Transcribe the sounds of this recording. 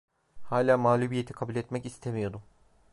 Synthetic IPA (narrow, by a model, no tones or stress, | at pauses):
haːlʲaːmaːlʲubije̞t̪ʰi̥kʰabulʲɛt̪mɛcist̪ʰemijo̞d̪ʊ